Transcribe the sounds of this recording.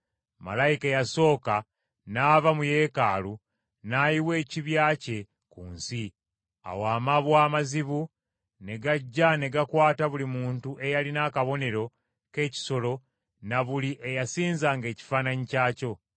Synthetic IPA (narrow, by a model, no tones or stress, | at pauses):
ma̰lajikejaso̞ːka | naːvamuje̞ːkaːlu | najiwe̞ːciβjaːce̞ | kṵːnsi | a̰waːmaβwaːmaziβu | ne̞ɡaɟːane̞ɡakwaːtaβulimuːntuʔe̞jalinakaβo̞ne̞ɾo̞ | ke̞ːci̥so̞lo̞ | naβuliʔe̞jasiːnzaŋɡe̞ːci̥faːnaɲicaːco̞